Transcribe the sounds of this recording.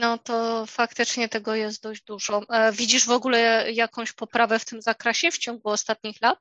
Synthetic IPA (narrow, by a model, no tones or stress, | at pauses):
nɔt̪ɔfakt̪ɘt͡ʂɲɛt̪ɛɡɔjɛst̪̚d̪ɔʑd͡ʑd̪uʐɔvʲid͡ʑiʐvɔɡulɛjakɔ̃w̃ɕpɔpɾavɛft̪ɘmzakɾɛɕɛft͡ɕɔŋɡuɔst̪at̪̚ɲixlat̪̚